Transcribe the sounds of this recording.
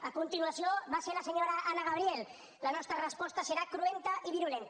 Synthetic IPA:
əkunt̪inuɐsioβaseɾləseɲoɾaʔanaɣaβɾiel | lənɔst̪ɾərəspɔst̪əsəɾakɾuent̪əʔiβinulent̪

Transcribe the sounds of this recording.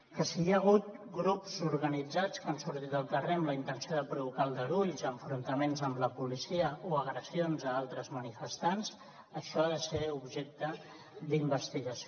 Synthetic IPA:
kəsiaɣ̞ut̪̚ | ɡɾupzuɾɣənid͡zat͡skansuɾt̪it̪əlˠt̪əremləint̪ənsioðəpɾuβukalˠd̪əɾuʎzəɱfɾunt̪əmenzəmləpulisiəʔoəɣɾəsionzəalˠt̪ɾəzmənifəst̪anz | əʃɔaðəseubʒɛk̚t̪ə | d̪imbəst̪iɣəs

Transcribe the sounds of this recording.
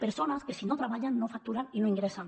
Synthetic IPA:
peɾsonaskesinot̪ɾaβ̞aʎanːofak̚t̪uɾaninoiŋɡɾesan

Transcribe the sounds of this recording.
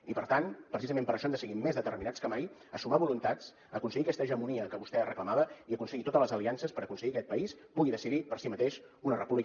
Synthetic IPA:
ipəɾt̪anpɾəsizəmẽmpəɾəʃɔnd̪əsəɣimːezðət̪ərminat͡skəmajəsumaβulunt̪at͡s | əkunsəɣikɛst̪əːʒəmuniəkəβust̪ɛərəkləmaβəiəkunsəɣit̪ot̪ələzəliansəspəɾəkunsəɣikɛt̪pəispuɣiðəsiðipəɾsimət̪eʃ | unərəpuβli

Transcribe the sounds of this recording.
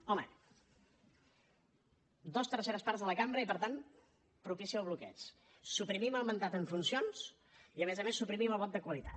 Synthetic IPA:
ɔmə̰ | d̪ɔst̪əɾseɾəspaɾzðələkambɾəipəɾt̪an | pɾupisiəwβ̞lukɛ̰t͡s | supɾimiməlˠmənt̪at̪əɱfunsions | iəmezəmesːupɾimiməlˠβɔt̪d̪əkwəlit̪ḁt̪

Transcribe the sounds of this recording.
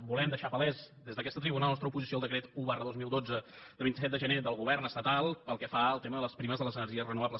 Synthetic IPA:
bulɛmd̪əʃapəlɛzd̪ezðəkɛst̪ət̪ɾiβunalˠnɔst̪ɾəupuzisioəlˠd̪əkɾet̪uβarəðozmilˠd̪od͡zə | d̪əβint̪isɛt̪d̪əʒəned̪əlˠɣuβɛrnəst̪ət̪alˠpəlˠkɛfaəlˠt̪eməðələspɾiməzðələzənərʒiəzrənuβabləs

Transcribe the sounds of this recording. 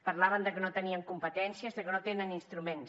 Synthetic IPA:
pəɾlaβənd̪əkənot̪əniəŋkumpət̪ɛnsiəzðəkənot̪enəninst̪ɾumen

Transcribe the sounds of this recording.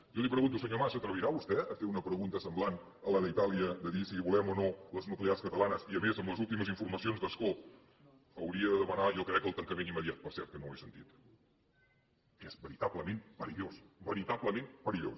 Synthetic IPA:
ʒɔlipɾəɣunt̪usəɲomaʃət̪ɾəβiɾaβust̪ɛəfeunəpɾəɣunt̪əsəmblan | ələðəit̪aliəd̪əðisiβulɛmonoləznukliaskət̪əlanəsiəmezəmləzulˠt̪iməzĩɱfuɾməsionzðəsko | əwɾiəðəðəmənajɔkɾɛkːəlˠt̪əŋkəmenimːəðijat̪̚pəɾsɛ̰ɾt̪̚kənowesənt̪it̪ | ɛzbəɾit̪aβləmẽnpəɾiʎosbəɾit̪aβləmẽnpəɾiʎo̰s

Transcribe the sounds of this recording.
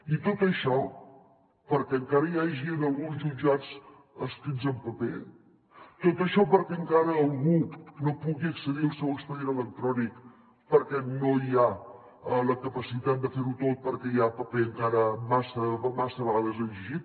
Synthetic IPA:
it̪ot̪əʃɔ | pəɾkɛəŋkaɾəjaʒinəlˠɣunzʒud͡ʒat͡s | əst̪ɾinzəmpəpe | t̪ot̪əʃɔpəɾkɛəŋkaɾəːlˠɣunopuɣiəksəðiəlˠsɛwəkspəðienələk̚t̪ɾɔnik | pəɾkɛnoja | ələkəpəsit̪at̪̚d̪əfeɾut̪ot̪̚pəɾkɛjapəpeəŋkaɾəmasəmasəβəɣaðəzəʒiʒit̪̚

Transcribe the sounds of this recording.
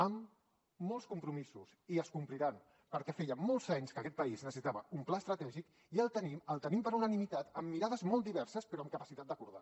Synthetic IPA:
əmː | ɔlˠskumpɾumisusiəskumpliɾan | pəɾkɛfejəmɔlˠzaɲskəkɛt̪pəiznəs̬it̪aβəumplaəst̪ɾət̪ɛʒik | iəlˠt̪əniməlˠt̪ənimpəɾunənimit̪at̪əmːiɾað̞əzmɔlˠt̪d̪iβɛɾsəspəɾoəmkəpəsit̪at̪d̪əkuɾða̰

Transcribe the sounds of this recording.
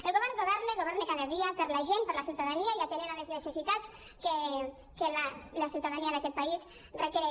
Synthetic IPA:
eəlɣoβɛɾnɡoβɛɾneɣoβɛɾnekaðəðiapəɾlaʒenpəɾlasjiuwt̪aðaniaiat̪eneɾaleznəsesit̪at͡s | ke | kelalasjiuwt̪aðaniaðakɛt̪̚pais | rekeɾe

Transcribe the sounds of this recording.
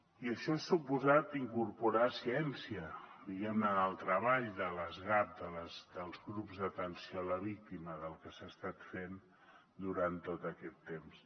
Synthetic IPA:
iəʃɔesupuzat̪iŋkuɾpuɾasiɛnsiəd̪iɣɛmnənəlˠt̪ɾəβ̞aʎd̪ələzɣap̚d̪ələzd̪əlˠzɣɾupzðət̪ənsioələβ̞ik̚t̪iməðəlˠkəsast̪at̪fen | d̪uɾant̪ot̪əkɛt̪ːems

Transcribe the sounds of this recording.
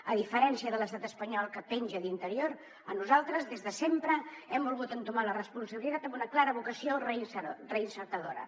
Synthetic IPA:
əðifəɾɛnsiəðələst̪at̪əspəɲɔlˠkəpɛnʲʒəðint̪əɾioɾ | ənuzalˠt̪ɾəzðezðəsempɾəɛmbulˠɣut̪ənt̪umalərəspunsəβilit̪at̪əmbunəklaɾəβukəsiorəsrəinsəɾt̪əðoɾə̰

